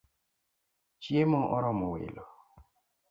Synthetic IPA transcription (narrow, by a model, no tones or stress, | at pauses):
t͡ʃjemɔʔɔɾɔmɔwɪ̰lɔ